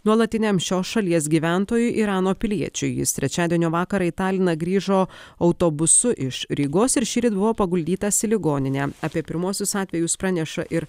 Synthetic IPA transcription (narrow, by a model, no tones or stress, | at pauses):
nuɔlˠɐt̪ʲɪnʲeːmʃʲoːsʃɐlʲiɛs̬ɡʲiːʋʲænt̪oːjʊʔiːɾɑːnoːpʲɪlʲiɛt͡ʃʲʊ̰jɪ̰st̪ʲɾʲɛt͡ʃʲæːd̪ʲiɛnʲoːʋɑːkɐɾɐɪt̪ɑːlʲɪnɐɡɾʲiːʒoːɐʊt̪oːbʊsʊʔɪʃɾʲiːɡoːsɪɾʃʲiːɾʲɪt̪bʊʋoːpɐɡʊlʲd̪ʲiːt̪ɐsʲɪlʲɪɡoːnʲɪnʲeːɐpʲiɛpʲɪɾmuɔsʲʊsɑːt̪ʲʋʲɛjʊspɾɑːnʲɛʃɐʔɪɾ